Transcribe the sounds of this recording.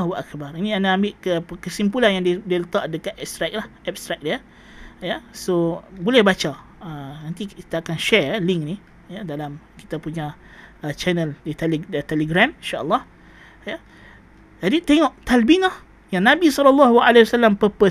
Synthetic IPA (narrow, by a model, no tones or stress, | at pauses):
walʔakbaɾinĩandaambɪʔkəkəsimpulanjaŋdidiələt̪aʔdəkaʔ̪ɛp̚st̪ɾak̚lahʔɛp̚st̪ɾak̚diə | jasobolɛhbat͡ʃa | ənant̪ii̥t̪aːkanʃɛɛliŋkni | jadalamki̥t̪apuɲa | ət͡ʃɛnəldit̪ɛlt̪ɛləɡɾamĩʃaʔə̰lːɑh | ja | d͡ʒadit̪eŋɔʔt̪albinah | jaŋnãbisɔləlːɑɦua̰lewasalːampəpə